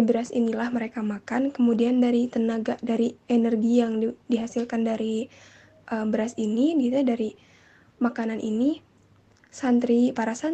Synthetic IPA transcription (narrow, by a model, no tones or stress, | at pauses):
bəɾasḭnilahməɾekamakankəmudiandaɾit̪ənaɡadaɾienɛrɡijaŋidiɦasilkandaɾi | ʔəmbəɾasiniɡit̪udaɾi | makananʔḭni | sant̪ɾipaɾasa